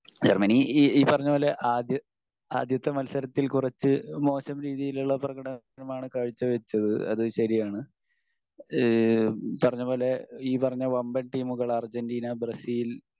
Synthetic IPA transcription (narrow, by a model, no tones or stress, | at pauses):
d͡ʑermɐniiːpːɐrɐɲːubo̞ːleʔaːd̪jɐ | a̰ːd̪jɐt̪ːe̞mɐlsɐɾɐt̪ːilkurɐt͡ɕːɨmo̞ːɕɐmɾiːðijiluɭːɐprɐɣɐɽɐ | nɐmaːɳɨkaːɻit͡ɕːɐʋɐt͡ɕːɐðɨɐ̰ðɨɕɐɾijaːɳɨ | pɐrɐɲːubo̞ːleiːpɐrɐɲːɐʋɐmbɐnʈiːmuɣɐɭɐrd͡ʑɐndiːnɐbrɐsiːl